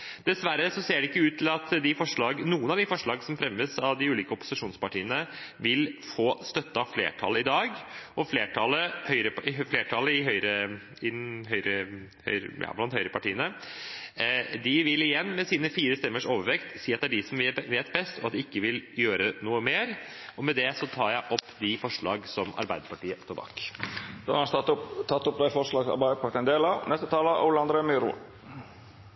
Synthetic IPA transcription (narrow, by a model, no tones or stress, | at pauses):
d̪̥ɛsʋæɾəsɔseːɖɛɪkːəʉːt̪ːʰɪlɑt̪d̪ɪfɔʂɭɑːɡnuːənɑʋd̪ɪfɔʂɭɑːɡəsɔmfɾɛmːəsɑʋd̪ɪʉːliːkəɔpːʊ̥sɪʂuːnspɑʈʰiːənəʋɪlfoːst̪œt̪ːəɑflḛːʈʰɑ̰ləɪd̪ɑːɡɔfleːʈʰɑləhœʏɾəɪfleːʈʰɑləɪɦœʏɾə | ɪɦœʏɾə | hœ̰ʏɾjɑ̰ːblɑnt̪hœʏɾəpʰɑʈiːənə | d̪ɪʋɪlɪjɛnːmɛsiːnəfiːɾəst̪ɛmːəʂoːʋəʋɛkt̪siːɑt̪̚d̪ɛæɖɪsɔmʋʋeːt̪bɛst̪ɔɑt̪̚d̪ɪɪkːəʋɪljøːɾənuːəmeːɾɔmɛd̪ɛsɔt̪ʰɑːɾjæɪʔɔpːd̪ɪfɔʂɭɑ̰ːɡsɔmɑ̰ɾbæɪd̪əɾpɑʈiːət̪ʰəbɑ̰ːkd̪̥o̰hɑɾɑnt̪ʰɑt̪ːʊpd̪æɪfɔɾʂlɑɡsɑ̰ɾbæɪpʰɑt̪ənd̪eːlɑnɛst̪ət̪ʰɑːləʔʊləɑnd̪ɾemyɾṵ